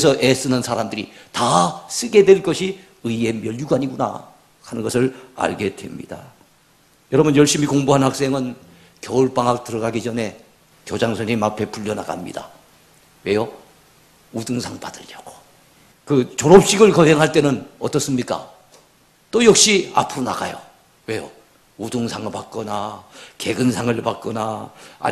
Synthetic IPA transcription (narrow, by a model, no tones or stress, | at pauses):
esʰʌʔes͈ɯnɯnsʰaɾamdɯɾitas͈ɯɡe̞dweɭk͈ʌɕʰi | ɯie̞mjʌʎjuɡaɲiɡuna̰ | kanɯnɡʌsʰɯɾa̰ɭɡe̞dwe̞̰mɲḭd̥a | jʌɾʌbunjʌɭɕ͈imikoŋbuɦanhak̚s͈e̞ŋɯn | kjʌuɭp͈aŋak̚t͈ɯɾʌɡaɡit͡ɕʌne̞ | kjod͡ʑaŋsʰʌɲimapʰe̞pʰuʎːʌna̰ɡa̰mɲḭda̰ | we̞jʌ | udɯŋsʰaŋpadɯʎːʌɡ̥o̥ | kɯt͡ɕoɾʌp̚ɕ͈iɡɯɭkʌɦeŋɦaɭt͈e̞nɯnʌ̰t͈ʌs͈ɯmɲik͈a̰ | t͈ojʌk̚ɕ͈ia̰pʰuɾona̰ɡa̰jo̰ | we̞jo | udɯŋsʰaŋɯɭpat̚k͈ʌnake̞ɡɯnsʰaŋɯɭpat̚k͈ʌnaa̰